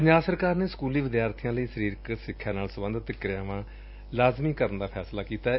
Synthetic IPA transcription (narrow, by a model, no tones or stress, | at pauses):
bɲaːsəɾkaːɾneːskuːliːʋɪd̪jaːɾt̪ʰijãːləiːsəɾiːɾksɪkʰːjaːnaːlsəbə̃nd̪ət̪ːɪkɾɪjãːʋãː | laːzmiːkəɾənd̪aːpʰɛːslaːkiːt̪aː